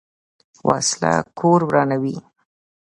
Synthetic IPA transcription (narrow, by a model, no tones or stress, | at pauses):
wʔɑ̰sla̰kʰoɾbɾɑnawi